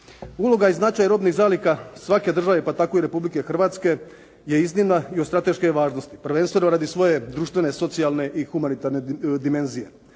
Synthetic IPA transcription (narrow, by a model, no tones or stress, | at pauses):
ulo̞ɡaiznat͡ʃajaɾo̞ːbniɣzaːlikasʋake̞d̪r̩ʒaʋe̞pat̪ako̞iɾe̞publike̞xr̩ʋaːt̪ske̞ | jeiznimnaiost̪ɾat̪e̞ʃkeʋaːʒno̞st̪i̥pr̩ʋe̞nst̪ʋeno̞ɾad̪isʋo̞je̞d̪ɾuːʃt̪ʋe̞ne̞so̞t̪sialˠne̞ʔixumanit̪aɾned̪ime̞nzije̞̰